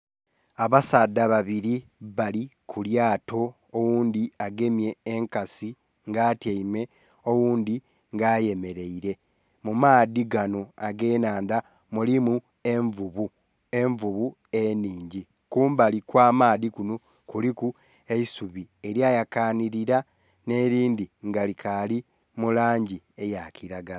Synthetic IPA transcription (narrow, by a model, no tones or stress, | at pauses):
aβasad̪ːaβaβiɾiβalikʰuljaːto̞ː | wuːnd̪iaɡe̞mje̞ːŋkasi | ŋɡaːteime̞ | owuːnd̪i | ŋɡaːje̞me̞ɾe̞iɾe̞ | mumaːðiɡano̞aɡe̞ːnaːnda | mulimu | eɱvuβu | e̞ɱvuβu | eniːɲɟi | kuːmbalikwaːmaːðikuno | kuliku | e̞isuβieɾjajakaːniɾiɾa | ne̞ːɾiːnd̪iŋɡalikʰali | mulaːɲɟi | e̞jakiɾaɡala